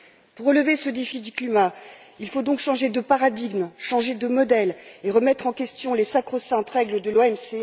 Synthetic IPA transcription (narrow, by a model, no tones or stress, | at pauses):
puʁːələvesəd̪efid̪yklima | ilfod̪ɔ̃kʃɑ̃ʒed̪əpaʁad̪iɡmʃɑ̃ʒed̪əmɔd̪ɛleʁəmɛt̪χɑ̃kʲɛst̪jɔ̃lesakχosɛ̃t̪ʁɛɡld̪əloɛmse